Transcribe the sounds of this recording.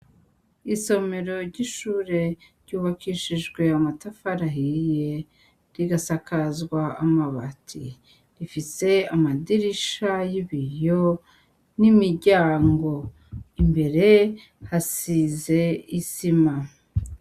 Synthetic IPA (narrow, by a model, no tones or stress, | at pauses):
iso̞me̞ɾo̞ɾɟiʃuːɾe̞ɾɟ̥uːβakʰiʃiʒɡwe̞amatafaɾaɦije̞ | ɾiɡasakazɡwaamaβa̰tʰḭ | ɾifise̞amadiɾiʃajiβijo̞ | nimiɾɟaːŋɡo̞ | imbe̞ɾe̞ | hasize̞isima